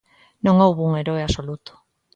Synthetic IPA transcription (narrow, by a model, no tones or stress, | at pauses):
nõŋowβuŋeɾoeasolut̪ʊ̥